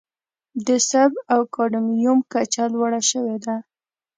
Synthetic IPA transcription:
d̪əsabawkɑɖamjumkat͡ʃalwaɽaʃəwed̪a

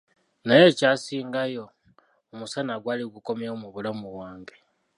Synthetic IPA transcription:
naje̞caːsiːŋɡajo̞ː | musanaɡwaːliɡuko̞mjamuβulamuβwaːŋɡe

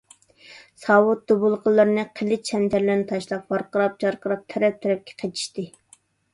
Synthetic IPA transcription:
sɑwʊt̪̚d̪̥ubulˠqʰəlˠːəɾɨnɨqʰəlːɪt͡ʃʰɛnt̪ʰæɾlɪɾnɪt̪ʰɑʃlˠɑq̚bɑɾqəɾɑp̚t͡ʃʰɑɾqəɾɑp̚t̪ʰɛɾɛp̚t̪ʰɛɾɛp̚kʲʰɛ̥qʰet͡ʃ̪ʰi̥ʃt̪ɨ

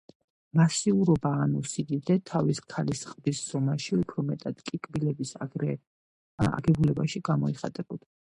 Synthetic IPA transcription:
masiuɾɔbaːnusid̪id̪ɛt̪ʰaviskʰalisqʼbisz̥ɔmaʃiupʰɾɔmɛt̪ʼad̪̥kʼikʼbilɛbisɛ | a̰ɡɛbulɛbaʃiɡamɔiχat̪ʼɛbɔd̪̥a

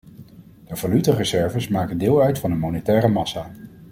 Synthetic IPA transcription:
d̥əv̥alytərəzɛɹvəsmaːkəndɪːlˠœɥtfɑndənmonetɛːrəmɑsaː

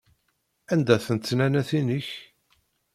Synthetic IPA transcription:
ænd̪æθənt̪ːnænæθinəç

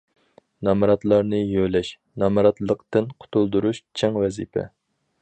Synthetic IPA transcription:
nɑmɑɾɑt̪lˠɑɾnɨjølɛʃ | nɑmɑɾɑt̪lˠəqt̪ɨnqʰʊ̥t̪ʰulˠd̪uɾuʃt͡ʃʰɛŋwɛzḭpʰɛ̰

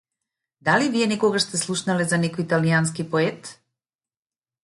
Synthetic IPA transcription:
d̪aliviɛnɛkɔɡaʃst̪ɛslˠuʃnalɛzanɛkɔjit̪alijans̬kipɔɛt̪

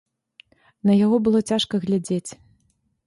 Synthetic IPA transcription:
nɐjaɣɔbɨlˠɔt͡sʲaʂkɐɣlʲad͡zʲet͡sʲ

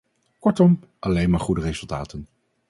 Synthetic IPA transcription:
kɔɹtɔm | ʔɑlejnmaːɹχudərejzɵlˠta̰ːtən

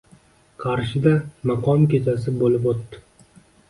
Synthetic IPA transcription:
qʰɑɾʃɪd̪amɑqʰɒmkʲe̞t͡ʃʰas̬ɪbolɪpot̪ːɪ

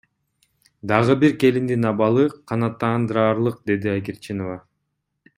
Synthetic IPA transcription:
d̪ɑʁɯbiɾke̞lind̪inɑbɑlˠɯqʰɑnɑt̪ːɑːnd̪ɯɾɑːɾlˠɯq̚d̪e̞d̪iaɡʲiɾt͡ʃinova

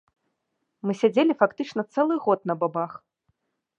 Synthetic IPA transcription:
mɨsʲad͡zʲelʲifakt̪ɨt͡ʂnɐt̪sɛlˠɨɣɔt̪nɐbabax

